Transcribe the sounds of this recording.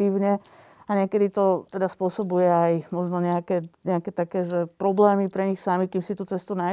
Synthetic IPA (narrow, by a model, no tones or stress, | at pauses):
iːʊɲɛ | aɲɪɛkɛd̪it̪ɔt̪ɛd̪aspʊɔsɔbujɛajmɔʒnɔɲɛakɛɲɛakɛt̪akɛːʒɛpɾɔblɛːmipɾɛɲixsamikiːmsit̪ut͡sɛst̪una